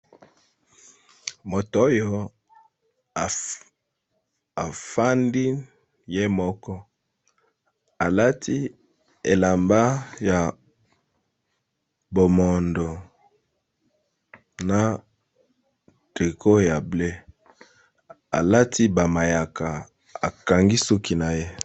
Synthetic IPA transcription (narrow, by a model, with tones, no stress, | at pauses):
mo˨to˦jɔ˦˨ | a˨fa˦ndi˦ | je˦mɔ˦kɔ˦ | a˨la˦tʰi˦ | e˨la˨mba˦ja˨ | bo˨mɔ˨ndo˨ | na˨ | ti˨kʰo˦ja˨ble˦ | a˨la˦tʰi˦ba˨ma˨ja˨ka˨ | a˨ka˨ŋɡi˦su˦ki˦na˨je˦